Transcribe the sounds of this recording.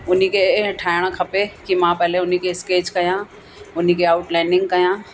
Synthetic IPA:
ʊn̤ikʰeʈʰaːɪɽ̃kʰɐpekimãpɛɦleʊnikʰeɪskeːd͡ʒkɐjã | ʊn̤ikʰeaːʊʈlɛ̃ːnɪ̃ŋɡ̚kɐjãː

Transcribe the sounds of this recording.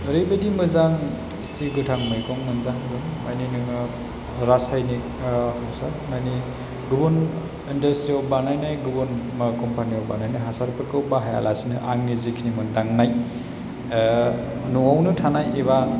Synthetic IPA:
ɾɯjbedimɯzaŋ | tʰiɡɯtʰaŋmɯjkɔŋmɯnzaŋɡɯŋmajninɯŋɯ | ɾasajnik̚ | hasaɾmajni | ɡɯbɔn | indɐstɾiɔbanajnajɡubɔnmakɔmpʰaniɔbanajnajɦasaɾpʰɯɾkɯwbaɦaja̰lasinɯʔaŋnizikʰinimɯndaŋnaj | nuawnɯtʰanajeba

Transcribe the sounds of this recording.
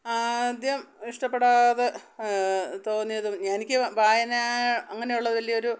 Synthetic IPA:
ad̪jɐmiʂʈɐpːeɽaːðɨ | t̪o̞ːnːijɐðumɲaːnikʲːɨbʱaːjɐnaɐŋːɐne̞juɭːɐðɨʋɐlːijɐo̞ɾu

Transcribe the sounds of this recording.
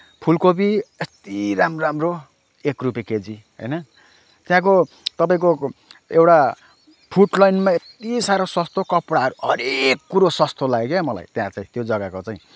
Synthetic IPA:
pʰulkobiest̪iɾamramro | ekrupeked͡ziɦʌ̰jnʌ | t̪jãk̬o | t̪ʌpaĩk̬oewʈa | pʰuʈlajnmaet̪isaɾosʌst̪okʌpɽaɦʌɾuɦʌɾekːuɾosʌst̪ʰolaɡekemʌla̰jt̪jãt͡saĩt̪jod͡zʌɡakot͡saĩ

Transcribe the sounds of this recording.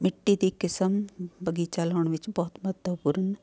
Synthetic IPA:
mɪʈːid̪ikɪsəmbəɡit͡ʃaːləɳ̃ʋɪt͡ʃbɔːʊt̪mɐt̪əʋpuɾən

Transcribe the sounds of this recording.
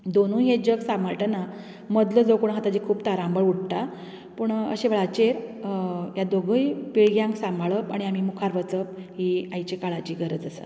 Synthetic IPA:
d̪onũːɦed͡ʑəksamaʈəna | məd̪ləd͡zokuɽ̃ɦat̪ad͡ʑikʰuːbt̪aɾambəɭuɽ̚ʈ̪a | puːɳə̰ɕeʋɭat͡ɕeɾ | jad̪oɡʱəjpiɭɡjãŋksambʱaɭəpaɽ̃iam̤iːmukʰaɾʋət͡səp̚ɦiajt͡ɕekaɭat͡ɕiːɡəɾəd͡zəsa̰

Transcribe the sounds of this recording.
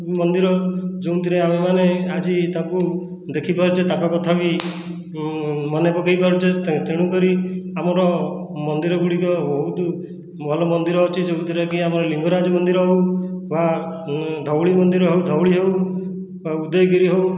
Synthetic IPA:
mɔnd̪iɾɔd͡ʒewut̪iɾeamemanead͡ʒit̪ãku | d̪ekʰipaɾut͡ʃʰet̪ãkɔkɔt̪ʰabi | mɔnepɔkejpaɾut͡ʃʰet̪t̪eɽ̃ukɔɾiamɔɾɔmɔnd̪iɾɔɡuɽikɔbɔɦut̪ | bʱɔlɔmɔnd̪iɾɔːt͡ʃʰid͡ʒeũt̪ʰiɾekiamɔɾɔliŋɡɔɾad͡ʒɔmɔnd̪iɾɔɦewba | d̪ʱɔwɭimɔnd̪iɾɔɦewd̪ʱɔwɭiɦew | ud̪ɔjkiɾiɦew

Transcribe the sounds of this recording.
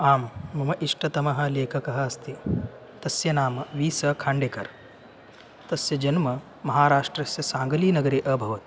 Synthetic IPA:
aːmːɐmɐʔiʂʈɐt̪ɐmɐɦɐ̆leːkʰɐkɐɦɐːst̪i | t̪ɐsjɐnaːmɐʋiːsɐkʰaːɳɖekɐɾ | t̪ɐsjɐd͡ʒɐnmɐ | mɐɦaːɾaːʂʈɾɐsjɐsaːŋɡɐliːnɐɡɐɾeːʔɐbʱɐʋɐt̪i̥

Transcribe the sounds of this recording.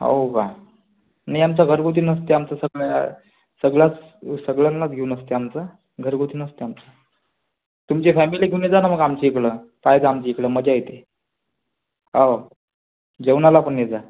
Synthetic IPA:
ɦa̰kã | najamt͡saɡʱəɾɡʱot̪̬inəst̪eamt͡sasəɡɭa | səɡɭat͡s | səɡɭənːat͡sɡʱeunəst̪eamt͡sa | ɡʱəɾɡot̪ʰinəst̪eamt͡sa | t̪umt͡ɕefɛmiliɡʱeuned͡zanaməɡamt͡ɕeːkləpajd͡zaamt͡ɕeikləməd͡ʑajet̪e | ɦao | d͡ʑewnalapəɳned͡za

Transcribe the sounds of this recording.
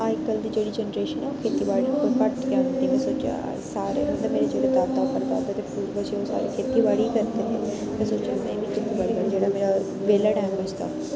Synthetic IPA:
aɪkːəld̪iːd͡ʒeːɽiːd͡ʒɛnɾeːʃənɛːokʰeːt̪iːbaːɽiːkolkəʈkãːnẽːmɛ̃ːsoːt͡ʃã̰ | saːɾḛːɦʊ̃nd̪eːmeːɾed͡ʒeːɽeːt̪aːt̪aːpəɾd̪a̰ːt̪eːt̪eːpuːɾbət͡ʃioːsa̰ːɾḭːkʰeːt̪iːbaːɽiːkəɾt̪eneː | mɛ̃ːsoːt͡ʃjã̰ːmɛ̃ːbiːkʰeːt̪iːbaːɽiːkəɽd͡ʒeːɽaːmeːɾa | ʋeːlaːɖɛːmbəd͡ʒt̪a̰ː

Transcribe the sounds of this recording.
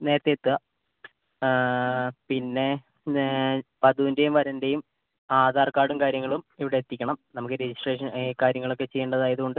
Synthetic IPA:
ne̞ːɾɐt̪ːet̪ːuɐ | pinːe̞ | pɐðundejumʋɐɾɐnde̞jum | aːd̪ʱaːrkaːɽumkaːɾjɐŋːɐɭumiʋiɽeːt̪ːikʲːɐɳɐmnɐmukːɨɾed͡ʑisʈre̞ːʂɐnkaːɾjɐŋːɐɭo̞kːe̞t͡ɕe̞jːɐɳɖɐðaːjɐðuɣo̞ɳɖɨ

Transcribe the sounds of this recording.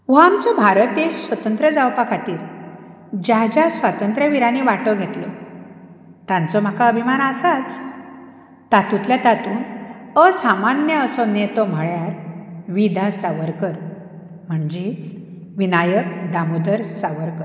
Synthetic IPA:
ʋoamt͡sɔbʱaɾət̪essʋət̪ənt̪ɾəd͡zawpakʰat̪iːɾ | d͡ʑad͡ʑasʋat̪ənt̪ɾjəʋiɾaniʋaʈɔɡʱet̪lɔ̰ | t̪ãnt͡sɔm̤akaəbʱimanasat͡s | t̪at̪ũt̪lat̪at̪uːnəsamanjəəsonet̪ɔm̤əɭjaɾʋid̪ʱasaʋəɾkəɾ | m̤əɳd͡ʑet͡s | ʋinajək̚d̪amod̪əɾsaʋəɾkəɾ

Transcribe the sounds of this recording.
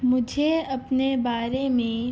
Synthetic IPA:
mʊd͡ʒʱeɐpnebaːɾemẽ

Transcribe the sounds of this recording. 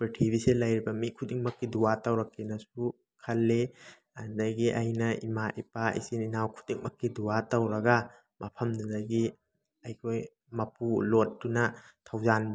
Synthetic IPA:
petʰibiselɐjɾibɐmikʰudiŋmɐkːiduwatɐwɾɐkːenɐsu | kʰɐlːe | ɐdɐɡiʔɐ̰jnɐʔimaʔipaʔḭsininawkʰu̥diŋmɐkːiduwatɐwɾɐɡɐ | mɐpʰɐmdudɐɡi | ɐjkʰoj | mɐpulot̚dunɐtʰawzanb

